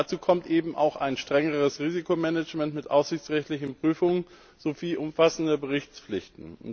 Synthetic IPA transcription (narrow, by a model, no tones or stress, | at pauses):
at͡suːkʰɔmtʔeːbm̩ʔa̰ʊxaɪnʃtʁ̥ɛŋəʁəsʁiːzikʰomɛnət͡ʃmɛntmɪtʔaʊfsz̥ɪçt͡sʁɛçtlɪçn̩pʁ̥yːfʊŋən | z̥oviːʔʊmfasn̩dəbəʁɪçt͡sflɪçtn̩ʊ